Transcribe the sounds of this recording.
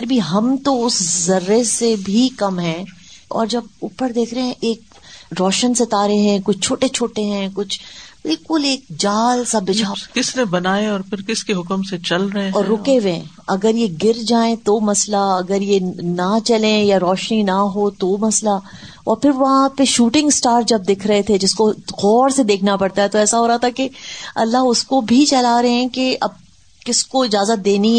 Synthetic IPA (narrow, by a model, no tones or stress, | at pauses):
ɾbʱiɦɐmt̪oʊszɐɾːesebʱikɐmɦɛ̃ːɔ̰ːɾd͡ʒɐbʊpəɾd̪eːkʰɾeɦɛ̃ʔeːk̚ | ɾɔːʃənset̪aːɾeɦɛ̃kʊt͡ʃʰt͡ʃʰoːʈet͡ʃʰoːʈeɦɛ̃ːkʊt͡ʃʰbɪlkʊleːk̚d͡ʒaːlsabɪaːkɪsnebɐnaːeɔːɾpʰɪɾkɪskeɦʊkmset͡ʃɐlɾɐɦẽɔːɾːʊkeʋẽː | ɐɡəɾjeɡɪɾd͡ʒaːẽt̪omɐslaɐɡəɾjenat͡ʃɐlẽjaɾɔːʃninaɦot̪omɐsla | ɔ̰ːɾpʰɪɾʋɐɦãpeʃuːʈɪ̃ŋɡsʈaːɾd͡ʒɐb̚d̪ɪkʰɾɐɦet̪ʰed͡ʒɪskoɣɔːɾsed̪eːkʰnapɐɾt̪aɦɛt̪oɛːsaɦoːɾaat̪ʰakeɐ̰lːaɦʊskobʱit͡ʃɐlaɾɐɦeɛ̃keʔɐb̚ | kɪskoɪd͡ʒaːzət̪̚d̪eːni